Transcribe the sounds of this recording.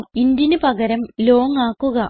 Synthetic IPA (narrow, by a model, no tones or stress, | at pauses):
ind̪jinɨpɐɣɐɾɐmlo̞ːŋaːkːuɣɐ